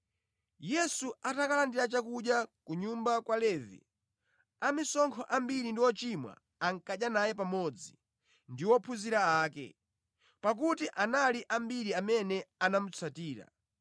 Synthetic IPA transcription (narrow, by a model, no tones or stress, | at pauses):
jɛsuatakalandiɾat͡ʃakuɗjakuɲumbakwalɛːvḭ | amisɔŋkʰɔʔambiɾindiwɔt͡ʃimwa̰ː | ŋ̩kaɗjanajɛp̬amɔd͡zi | ndiwɔpʰuziɾaaːkɛ̰ | pak̬utiʔanaliʔambiɾiamɛnɛanamut͡sʰatiːɾa̰